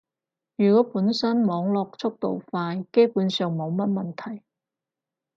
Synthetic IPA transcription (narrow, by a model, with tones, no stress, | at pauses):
jyː˨˩kɔː˨˥puː˨˥nsɐ˥nmɔː˨˧ŋlɔː˨˧k̚t͡sʰʊ˥k̚t̪o̰˨wfaː˧jke˥jpuː˨˥nsœː˨˧ŋmo˨˧wmɐ˥t̚mɐ˨nt̪ʰɐ˨˩j